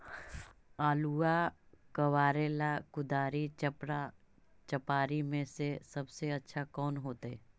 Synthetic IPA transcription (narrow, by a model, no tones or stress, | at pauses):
aːluːakɐwaːɾeːlakʊd̪aːɾit͡ʃɐpɾa | t͡ʃɐpaːɾimẽsesɐbseɐtːʃʰakɔːnɦoːt̪ɛ